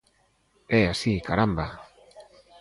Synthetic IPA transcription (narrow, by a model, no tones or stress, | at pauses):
easikaɾamba